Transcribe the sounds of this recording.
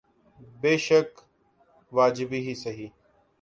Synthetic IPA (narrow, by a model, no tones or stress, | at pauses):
beːʃək | ʋaːd͡ʒɪbiːɦiːsəɦiː